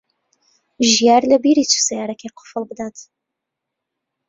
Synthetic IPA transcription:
ʒijaːɾlɐbiɾiːt͡ʃʰu̥sɛjaːɾɛkʰeqʰʊ̥fəlˠbɨd̪aːt̪

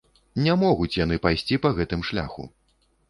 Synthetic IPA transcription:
nʲɛmɔɣut͡sʲjan̪ɨpajsʲt͡sʲipɐɣɛt̪ɨmʂlʲa̰xṵ

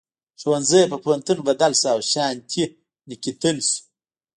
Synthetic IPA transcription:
ʂwɐnzəjpəpʰwɐnt̪ɨnbɐd̪alsaːwɕaːnt̪ʲʰi | nikʲit̪ʰɨns

